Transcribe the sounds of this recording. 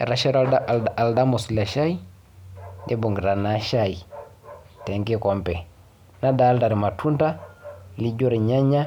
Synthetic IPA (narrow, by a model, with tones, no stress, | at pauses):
ɾa˨ʃa˦ɾa˦ldaa˨lda˦mo˨sla˨ʃa˦ji˦ | dɛ˦bo˨ŋɡi˨ɾa˨na˦ʃai | tɛ˨ŋke˦kɔ˨mpɛ˨ | na˦daː˨˦lda˨ɾi˨ma˨tʰu˦nta˦li˦d͡ʒo˦ɾe˨ɲa˦ɲa˦